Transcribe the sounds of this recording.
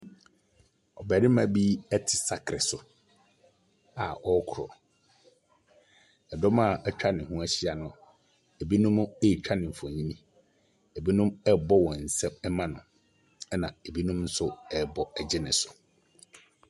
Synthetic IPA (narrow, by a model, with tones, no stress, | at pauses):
ɔ˨bæ˨ɾɪ˦mã˨bi˦ɛ˦tʰɪ˨sa˦kʰɾɪ˨sʊ˨ | a˨ʔɔ˦kʰʊ˨ɾɔ̰˨ | ɛ˨dɔ˦ma˦˨ɛ˦t͡ɕᶣa˦nɪ̃˨hʊ̃˦æ˦ɕi˦a˨nʊ̃˨ | e˨bi˦nũ˦m˦e˦i˨t͡ɕᶣʰa˦nɪ̃˨m̩˨fɔ̃˨ɲĩ˦nĩ˦ | e˨bi˦nʊ̃˦mɛ˦bɔ˦wɔ̃˨n̩˨sɛ̃˦mɛ˦mã˦nʊ̰̃˨ | ɛ˦nã˨e˨bi˦nũ˦mn̩˦sʊ˦ɛ˦bɔ˨ɛ˨d͡ʑɪ˦nɪ̰̃˨sʊ̥˨